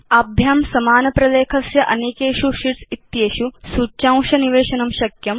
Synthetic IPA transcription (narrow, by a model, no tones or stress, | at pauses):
ɐbʱjaːmsɐmaːnɐpɾɐleːkʰɐsjɐʔɐneːkeːʃuʃiʈsit̪jeːʃusut͡ʃãw̃ʃɐniʋeːʃɐnɐmʃɐkjɐm